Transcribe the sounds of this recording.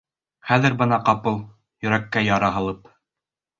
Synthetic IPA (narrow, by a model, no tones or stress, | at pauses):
χæðɘ̆ɾbɤnɑqɑpɤlˠ | jɵ̆ɾækːæjɑɾɑɦɤ̆lˠɤp